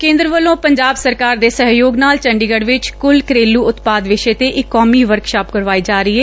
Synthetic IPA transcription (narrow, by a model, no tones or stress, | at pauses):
kẽːnd̪ɾəʋəlːõːpəɲd͡ʒaːbsəɾkaːɾd̪eːsəɦjoːɡnaːlt͡ʃə̃ɳɖiːɡəɽʋɪt͡ʃkʊlkɾeːlːuːʊt̪paːd̪ʋɪʃeːt̪eːʔɪkːɔːmiːʋəɾkʃaːpkəɾʋaːiːd͡ʒaːɾəiːɦɛː